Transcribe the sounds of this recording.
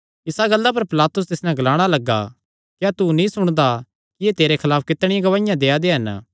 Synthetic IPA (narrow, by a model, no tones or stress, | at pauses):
ɪsaɡɐlːap̬ɐɾpɪlaːt̪ʊs̬t̪ɪsnɛ̃ɡɐlaːɽ̃alɐɡːa̰ | kjat̪unĩsʊɽ̃d̪a | kijeːt̪eːɾekʰɐlaːpʰkɪt̪ɽ̃ɪjãɡɐʋaːɪjãd̪eːad̪eɦɐn